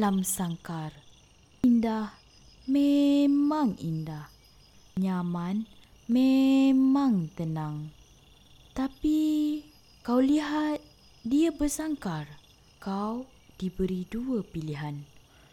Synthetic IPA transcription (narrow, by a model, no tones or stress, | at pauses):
lamsaŋkar | indah | memãŋindah | ɲaman | memaŋt̪ənaŋ | t̪api | kawliɦat̪̚ | diabərsaŋkar | kaw | d̥ibəɾiduəpiliɦan